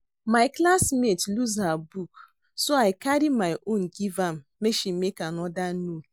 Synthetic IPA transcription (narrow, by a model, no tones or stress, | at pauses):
maɪklasmetluzhabuk | soaɪkaɾimajʔõnɡivam̩meʃimekanɔdanu